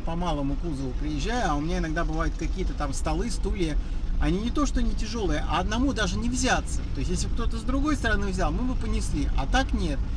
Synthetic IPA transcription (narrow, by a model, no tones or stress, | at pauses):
pɐmalˠəmʊkuzəvʊpɾʲɪjɪʑʲːæjʊɐʊmʲɪnʲaɪnaɡd̪abɨvajʊt̪̚kɐkʲijət̪ət̪amst̪ɐlˠɨst̪ulʲɪjəɐnʲinʲɪt̪o̞ʂt̪onʲɪtʲɪʐo̞lˠəɨjəʔɐːd̪nɐmud̪aʐɨnʲɪvzʲat̪sət̪o̞ɪsʲjesʲlʲɪb̚k̚t̪o̞t̪əzd̪ɾʊɡo̞jst̪əɾɐnɨvzʲalˠmɨbɨpənʲɪsʲlʲiʔɐ̰t̪aknʲe̞t̪̚